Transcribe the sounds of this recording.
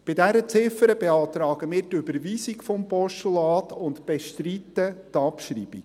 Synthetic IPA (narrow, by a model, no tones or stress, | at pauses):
b̥ɪdæɾət͡sɪfəɾəbɛɑːt̪ɾɑːɡ̥əmɪːɾtybəɾʋiːsikfɔmpɔʃtulɑːtʰʊntb̥ɛʃtritːətɑpʃrḭːb̥ik